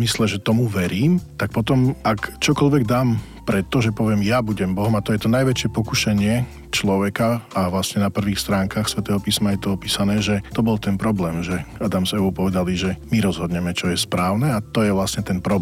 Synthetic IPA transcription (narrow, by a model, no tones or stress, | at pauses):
mislɛʒɛt̪ɔmuʋɛɾiːmt̪ak̚pɔt̪ɔmakt͡ʃɔkɔlʋɛɡd̪aːm | pɾɛt̪ːɔʒɛpɔʋɪɛmjabuɟɛmbɔɦɔmat̪ɔjɛt̪ɔnajʋɛt͡ʃɪɛpɔkuʃɛɲɪɛ | t͡ʃlɔʋɛkaaʋlasɲɛnapr̩ʋiːxst̪ɾaːŋkaːxsʋɛt̪ɛːɦɔpiːsmajɛt̪ɔɔpiːsanɛːʒɛt̪ɔbɔlt̪ɛnpɾɔblɛːmʒɛad̪amzɛuːpɔʋɛd̪aliʒɛmiɾɔzɦɔd̪ɲɛmɛt͡ʃɔjɛspɾaːʊnɛat̪ɔjɛʋlasɲɛt̪ɛnpɾɔb